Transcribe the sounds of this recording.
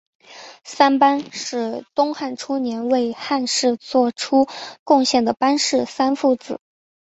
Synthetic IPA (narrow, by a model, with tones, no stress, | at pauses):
sa˥npa˥nʂɻ̩˥˩t̪ʊ˥ŋxa˥˩nʈ͡ʂʰu˥njɛ˧˥nwe˥˧ɪxa˥˧nʂɻ̩˥˧t͡swɔ˥˩ʈ͡ʂʰu˥kʊ˥˧ŋɕjɛ˥˩nd̪ə˩pa˥nʂɻ̩˥˩sa˥nfu˥˩t͡sɹ̩˨˩˦